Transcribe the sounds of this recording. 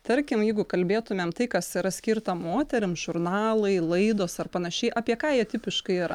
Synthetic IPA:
t̪ɐɾʲkʲɪmjɛɪɡʊkɐlʲbʲeːt̪ʊmʲeːmt̪ɐɪkɐsiɾɐsʲkʲiɾt̪ɐmoːt̪ʲɛɾʲɪmʒʊɾnɑɑːlˠɐɪlˠɐɪd̪oːsɐrpɐnɐʃʲɛɪʔɐːpʲiɛkɑːjiɛt̪ʲɪpʲɪʃkɐɪɪɾɐ

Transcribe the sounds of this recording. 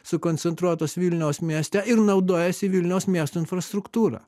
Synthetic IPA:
sʊkɔnʲt̪sʲɛnt̪ɾuɔt̪oːsʋʲiːlʲnʲɛʊsmʲiɛsʲt̪ʲɛɪɾnɐʊd̪oːjɛsʲɪʋʲilʲnʲɛʊsmʲiɛst̪uɪnfɾɐst̪ɾʊkt̪uːɾɐ̰ː

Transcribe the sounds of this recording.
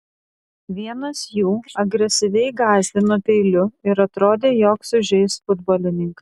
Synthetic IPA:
ʋʲiɛnɐsjuːɐɡɾʲɛsʲɪʋʲɛɪɡɑːzʲʋʲɪnoːpʲɛɪlʲʊɪɾɐt̪ɾoːd̪ʲeːjoːksʊʒʲɛɪsfʊd̪boːlʲɪnʲɪŋkɐ

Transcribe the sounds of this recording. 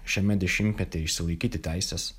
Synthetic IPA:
ʃʲɛmʲɛd̪ʲɛʃʲɪmʲt̪ʲmʲɛt̪ʲeɪʃʲsʲɪlˠɐɪkʲiːt̪ʲɪt̪ʲæˑɪsʲɛs

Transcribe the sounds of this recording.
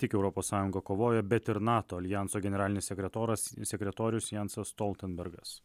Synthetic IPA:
t̪ʲɪkɛʊɾɔpoːsːɑːjʊŋɡɐkoːʋoːjɛbʲɛt̪ɪɾnɑːt̪oːɐlʲɪjænt̪soːɡʲɛnʲɛɾɑːlʲɪnʲɪsʲsʲɛkʲɾʲɛt̪oːɾɐssʲɛkʲɾʲɛt̪oːɾʲɪjʊsjɛnsɐsst̪ɔlʲˠt̪ʲɛnbʲɛɾɡɐs

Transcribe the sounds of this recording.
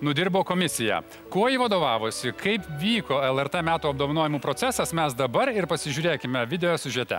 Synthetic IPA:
nʊd̪ʲɪɾboːkoːmʲɪsʲɪjɛ̰ | koɔjiʋɐd̪oːʋɑːʋoːsʲɪkɐɪpʋʲiːkoːɛlˠɛɾt̪ɛmʲæːt̪uːɐb̚d̪oːʋɐnoːjɪmuːpɾoːt̪sʲɛsɐsmʲɛsd̪ɐbɐɾɪɾpɐsʲɪʒʲuːɾʲeːkʲɪmʲɛʋʲɪd̪ʲɛoɛsʲʊʒʲɛt̪ʲɛ̰

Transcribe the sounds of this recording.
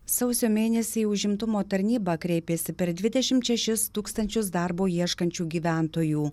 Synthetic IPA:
sɐʊsʲoːmʲeːnʲɛsʲɛʊʒʲɪmt̪ʊmoːt̪ɐɾʲnʲiːbɐkɾʲɛɪpʲeːsʲɪpʲɛɾd̪ʲʋʲɪd̪ʲɛʃʲɪmt̪ʃʲɛʃʲɪst̪uːkst̪ɐnʲt͡ʃʲʊsd̪ɑɾboːjiɛʃkɐnʲt͡ʃʲuːɡʲiːʋʲæˑnt̪oːjuː

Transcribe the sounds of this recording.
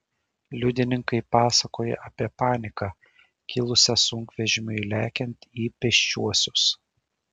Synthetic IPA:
lʲʊd̪ʲɪnʲɪŋkɐɪpɑːsɐkoːjɛ̰ʔɐpʲiɛpɑːnʲɪkɑ | kʲɪlˠʊsʲɛsʊŋkʋʲɛʒʲɪmʲʊɪlʲæːkʲɛnʲt̪ʲiːpʲɛʃʲt͡ʃʲuɔsʲʊs

